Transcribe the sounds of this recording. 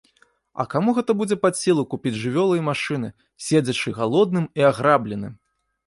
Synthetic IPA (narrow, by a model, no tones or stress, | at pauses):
ɐ̰kamuɣɛt̪ɐbud͡zʲɛpasʲilˠukupʲid͡zʲʐɨvʲɔlˠɐimaʂɨnɨ | sʲed͡zʲɐt͡ʂɨɣalˠɔd̪̚nɨmiaɣɾablʲɛnɨm